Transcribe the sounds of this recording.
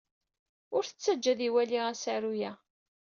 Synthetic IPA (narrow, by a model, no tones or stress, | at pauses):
ʊɾθət͡sːæd͡ʒːæðiwæliʁæsaɾujæ